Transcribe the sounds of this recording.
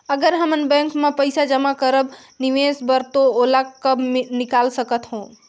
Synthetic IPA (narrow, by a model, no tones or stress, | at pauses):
əɡəɾɦəmənbɛ̃ŋkmepəjsad͡ʒəmakəɾəb | niʋesbəɾt̪oolakəbnikalsəkət̪ɦõ